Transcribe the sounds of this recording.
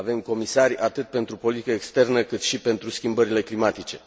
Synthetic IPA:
ve̞mko̞misarʲat̪ɨt̪̚pe̞nt̪ɾupo̞lit̪ikəekst̪e̞rnəkɨt̪ʃipe̞nt̪ɾuskʲimbəɾile̞klimat̪it͡ʃe̞

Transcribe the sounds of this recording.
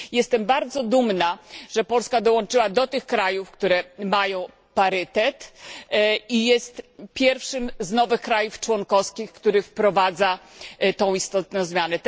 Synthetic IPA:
jɛst̪ɛmbaɾd̪zɔd̪umnaʐ̥ɛpɔlskad̪ɔwɔnt͡ʂɘwad̪ɔt̪ɘxkɾajufkt̪uɾɛmajɔ̃w̃ | paɾɘt̪ɛt̪ | ijɛst̪pʲjɛɾfʂɘmznɔvɘxkɾajuft͡ʂwɔŋkɔskʲixkt̪uɾɘfpɾɔvad̪zat̪ɔ̃w̃ist̪ɔt̪̚nɔ̃w̃zmʲjanɛt̪

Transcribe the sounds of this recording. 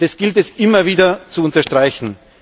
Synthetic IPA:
dɛsɡ̥ɪltɛsʔɪmɐviːdɐt͡suʊntɐʃtʁ̥aɪçn̩

